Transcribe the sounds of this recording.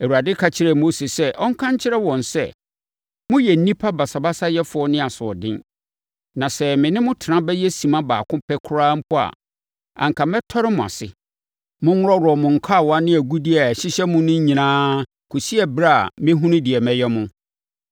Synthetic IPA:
e˨u˨a˨dɪ˦kʰa˨t͡ɕʰɪ˦ɾɛ˨mo˦se˨sɛ˦ʔɔ̃˦ŋ˦kʰã˦ɲ˦t͡ɕʰɪ˦ɾɛ˦wɔ̃˨nsɛ̰˦ | mʊ̃˦jɛ˨n̩˨˦nĩ˦pʰa˦ba˨sa˨ba˦sa˦jɛ˦fʊ˨˦ɔ˦nɪ̃˦a˨sʊ˨ɔ̰˨dɪ̰̃˦n | nã˨sɛ˨mɪ̃˨nɪ̃˦mʊ̃˦tʰɪ˨nã˦bɛ˦jɛ˦sĩ˨mã˦ba̰ː˨kʰʊ̃˦pʰɛ˦kʰʊ˦ɾaː˦m̩˦pʰʊ˦a̰˨ | ã̰˨ŋ̩˨kʰã˨mɛ˦tʰɔ˦ɾɪ˦mʊ̃˨a̰˨sɪ˨ | mʊ̃˦ŋʊ˦ɾɔ˦ɾɔ˨mʊ̃˨ŋ̩˨kʰa˦˨wɔ˨˦a˦nɪ̃˦æ˨ɡu˦dɪ˦a˨æ˨ɕɪ˦ɕɛ˦mʊ̃˦nʊ̃˦ɲĩ˨nãː˦ | kʰu˨si˦ɛ˦bɾa˦a˨mɪ̃˦ɦũ˦nʊ̃˦di˨ɛ˨mɛ̃˦jɛ˦mʊ̃˦

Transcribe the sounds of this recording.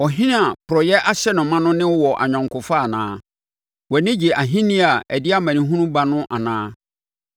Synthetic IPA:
ɔ˨ɦĩ˦ñ˦a˨pʊ˨ɾɔ˨jɛ˦ʔa˦ɕɛ˦nʊ̃˨mã˦nʊ̃˦nɪ̃˦wwɔ˨ʔa̰˨ɲᶣã˨ŋkʰʊ˨fa˦˨nãː˨˦ | wɛ˨nɪ̃˦d͡ʑi˨ʔa˨ɦĩ˦nĩ˦a˨ɛ˨dɪ˦a˦mã˨nĩ˨ɦũ˦nũ˦ba˨nʊ̃˦ʔa˨nãː˦

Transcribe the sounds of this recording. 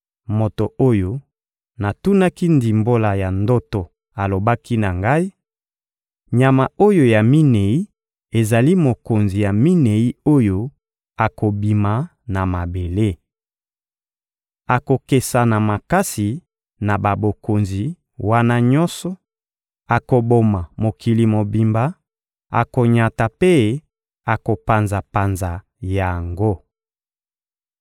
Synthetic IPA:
mo˨to˨ʔo˦jo˦ | na˨tu˦na˦ki˦ndi˨mbo˦la˨ja˨ndo˦to˨ | a˨lo˨ba˦ki˦na˨ŋɡa˦i˦ | ɲa˨ma˨o˦jo˦ja˨mi˦ne˨i˦ | e˨za˨li˦mo˨ko˨nzi˨ja˨mi˦ne˨i˦o˦jo˦ | a˨ko˨bi˨ma˨ | na˨ma˨be˨le˦ | a˨ko˨ke˨sa˨na˨ma˨ka˦si˨ | na˨ba˨bo˨ko˨nzi˨ | wa˦na˦ɲɔ̃˦nsɔ˦ | a˨ko˨bo˨ma˨mo˨kʰi˨li˨mo˨bi˨mba˨ | a̰˨ko˨ɲa˨ta˨pe˦ | a˨ko˨pa˨nza˨pa˨nza˨ | ja˨ŋɡo˦

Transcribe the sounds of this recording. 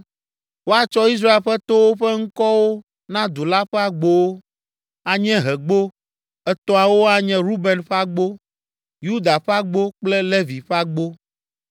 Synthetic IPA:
wo˦a˨t͡ʃɔ˦i˦s̬ɾa˦e˨lɸɛ˦t̪o˦wo˦ɸɛ˦ŋ̩˦kɔ˦wo˦ | nã˦d̪o˨la˦ɸɛ˦a˨ɡ͡bo˦wo˦ | a˨ɲɛ̃˦ɦɛ˨ɡ͡bo˦ | ɛ˦t̪ɔ̃˦a˨wo˦a˨ɲɛ̃˦ɾu˦bɛ˨nɸa˦ɡ͡bo˦ | ju˦d̪a˨ɸɛ˦a˦ɡ͡bo˦k͡plɛ˦le˦vi˨ɸɛ˦a˦ɡ͡bo˦

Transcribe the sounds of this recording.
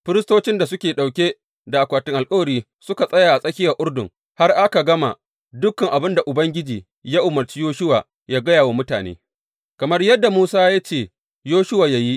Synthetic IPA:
ɸɪ˦ɾɪ˦stoː˦t͡ʃɪ˦nda˨sʊ˦kʲeː˨ɗa˨wkʲe˦ | da˨ʔa˨kʷaː˨tɪ˦ŋʔa˨lkʼɐ˦wɐ˨ɽiː˦ | sʊ˦ka˨sʼɐ˦jaː˨ʔa˨sʼɐ˦kʲɪ˦ja˨ʔʊ˦rdʊ̰˨ŋ | ha˦rʔa˦ka˨ɡɐ˦ma̰˨ | dʊ˦kːɐ˨ŋʔa˨bɪ˦nda˨ʔʊ˨bɐ˦ŋɡʲɪ˦d͡ʒiː˨ | jaː˦ʔʊ˨mɐ˨rt͡ʃiː˦joː˦ʃʊ˦wa̰ː˨ | jaː˦ɡɐ˦jaː˨waː˦mʊ˦ta̰ː˨nḛː˦ | kɐ˨mɐ˦rjɐ˦dːa˨muː˦saː˦ja˦t͡ʃeː˨ | joː˦ʃʊ˦waː˨ja˦ji˦ʔ

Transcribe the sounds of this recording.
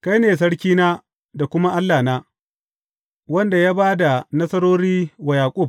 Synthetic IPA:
ka˦jneː˨s̬ɐ˦ɽkʲiː˦naː˦ | da˨kʷʊ˦ma˦ʔa˦lːaː˨naː˦ | wɐ˦nda˨jaː˦baː˦da˨nɐ˦sɐ˦ɾoː˦ɽiː˦wa˨jaː˨kʷʼʊ˦˨b̚

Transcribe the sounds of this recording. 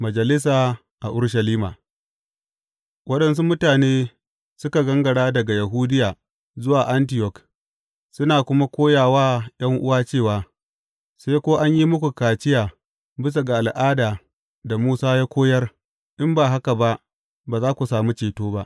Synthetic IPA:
mɐ˨d͡ʒɐ˨lɪ˦s̬aː˨ | ʔa˨ʔʊ˦ɽʃ̬ɐ˨liː˦maː˨ | wɐ˦ɗɐ˨ns̬u˦mʊ˦taː˨neː˦ | sʊ˦ka˨ɡɐ˦ŋɡɐ˨ɽaː˦dɐ˨ɡa˨ja˨ɦu˦dɪ˦jaː˨ | zʊ˦waː˨ʔa˦nt̬ɪ˨jɔ˨k | sʊ˦naː˨kʷʊ˦ma˦kʷoː˦jaː˨waː˦j̰ɐ˦ŋʔʊ˦waː˦t͡ʃeː˦˨waː˨ | seː˦kʷoː˦ʔa˦ɲji˦mʊ˦kʷu˨kaː˨t͡ʃɪ˦jaː˨ | bɪ˦s̬a˨ɡa˨ʔa˨lʔaː˦daː˨ | da˨muː˦saː˦jaː˦kʷoː˦jɐ˦r | ʔɪ˦mbaː˨ɦa˦ka˨ba˦ʔ | baː˨zaː˦kʷu˨saː˨mu˦t͡ʃeː˨toː˦ba˦ʔ

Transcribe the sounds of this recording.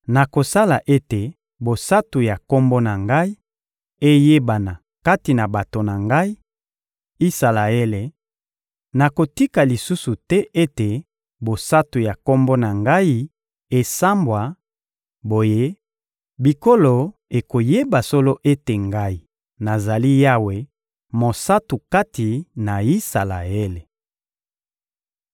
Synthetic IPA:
na˨ko˨sa˦la˨ʔe˦te˨ | bo˨sa˦tu˨ja˨ko˦mbo˦na˨ŋɡa˦i˦ | e˦je˦ba˨na˨ | ka˦ti˨na˨ba˨to˨na˨ŋɡa˦i˦ | i˦sa˨la˨e˦le˨ | na˨ko˨ti˦ka˨li˨su˦su˨tɛ˦ʔe˦te˨ | bo˨sa˦tu˨ja˨ko˦mbo˦na˨ŋɡa˦i˦ | e˨sa˦mbwa˨ | bo˨je˦ | bi˨ko˦lo˨e˨ko˨je˦ba˨so˦lo˦ʔe˦te˨ŋɡa˦i˨ | na˨za˨li˦ja˦we˨ | mo˨sa˦tu˨ka˦ti˨na˨i˦sa˨la̰˨e˦le˨

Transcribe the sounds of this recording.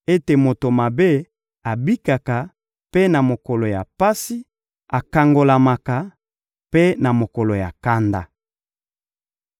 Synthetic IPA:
e˦te˨mo˨to˨ma˨be˦ | a˨bi˦ka˨ka˨ | pe˦na˨mo˨kɔ˨lo˨ja˨pa˦si˦ | a˨ka˨ŋɡo˨la˨ma˨ka˨ | pe˦na˨mo˨kɔ˨lo˨ja˨ka˦nda˦

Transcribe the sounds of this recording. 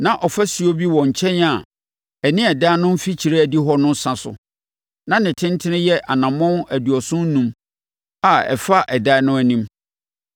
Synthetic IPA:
nã˨ʔɔ˨fæ˦si˨o˦bi˦wɔ̃˨ɲ̩˨t͡ɕʰɛ̃˦na˨ | ɛ˨nɪ̃˦ɛ˨da˦nʊ̃˦m̩˦fi˦t͡ɕʰi˨ɾe˦æ˨di˦ɦɔ˦nʊ̃˦n˦sã˨sʊ̰˨ | nã˦˨nɪ̃˨tʰɪ̃˦n˦tʰɪ˦nɪ̃˦jɛ˦ʔa˨nã˨mɔ̃˦næ˨du˨ɔ˨sʊ̃˦n̩˦nũ˦m | a˨ɛ̰˨fa˦ʔɛ˨da˦nʊ̃˦æ˨nĩ˦m

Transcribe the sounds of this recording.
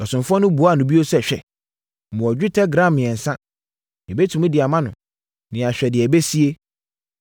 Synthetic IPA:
ɔ˨sʊ̃˨mfʊ˦ɔ˦nʊ̃˦bu˨˦a˦˨nʊ̃˨bi˦o˦sɛ˦ɕᶣɛ˨ | mʊ̃˨ɔ˨d͡ʑᶣu˦tʰɛ˦ɡɾã˦˨mːɪ̃˨ɛ̃˨n̩˨sã˦ | ɛ˨be˦tʰũ˨mũ˦dɪ˨a˨mã˦nʊ̃˨ | nɪ̃˨a˨ɕᶣɛ˨dɪ˨ɛ˨be˦si˦e˦

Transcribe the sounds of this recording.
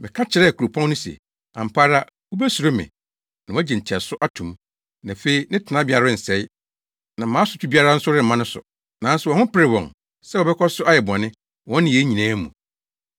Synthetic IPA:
mɪ̃˨kʰa˦t͡ɕʰɪ˨ɾɛ˦˨kʰu˨ɾo˨pʰɔ̃˦ŋnʊ̃˦sḛ˨ | ã̰˨m̩˨pʰaː˦ɾa˦ | wu˦bɛ˦su˨ɾo˦mɪ̰̃˨ | nã˨˦d͡ʑɛ˨n̩˨tʰi˨a˨sʊ˦ʔa˦tʰũ˨m | nã˨fe˦i˦nɪ̃˦tʰɪ˨nã˦bi˦a˨ɾa˦n̩˨sɛ˨˦ɪ˦ | nã˨mãː˨˦sʊ˨tʰu˦bi˦a˦ɾa˦n̩˦sʊ˦ɾɪ˦m̩˨mã˦nʊ̃˦sʊ̰˨ | nã˨˦n̩˦sʊ˨wɔ̃˨hʊ̃˦pɪ˦ɾɪ˨wɔ̃˨ŋ | sɛ˦wɔ˨bɛ˦kʰɔ˦sʊ˦a˦jɛ˨bʊ˨ã˨nɪ̃˦ | wɔ̃˦nɪ̃˨e˦ɲĩ˨nãː˦mṵ̃˨

